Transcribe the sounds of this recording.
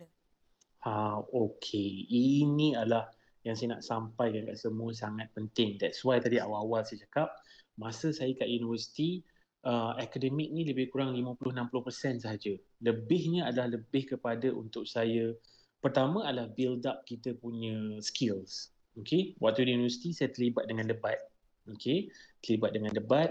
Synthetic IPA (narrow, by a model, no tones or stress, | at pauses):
haokʰeiniadalah | jaŋsajəna̰ʔsampajkanka̰ʔsəmũəs̬aŋat̪̚pənt̪ɪŋd̪ɛtswajt̪adia̰wawalsajət͡ʃakap̚ | mãsəsajəkaʔjunivəsi̥t̪i | ʔəɛkadəmɪk̚nĩləbɪhkuɾaŋlimə̃pulʊhnãmpulʊhpərsɛnsəɦad͡ʒə | ləbɪhɲəadalahləbɪhkəpadaʔṵnt̪ʊk̚sajə | pərt̪amə̃adalahbildap̚kit̪əpuɲə̃skɪls | okewa̰k̚t̪uəjunivəsi̥t̪isajət̪əlibat̪̚dəŋãndəbat̪̚ | okʰet̪əlibat̪̚dəŋãndəbat̪̚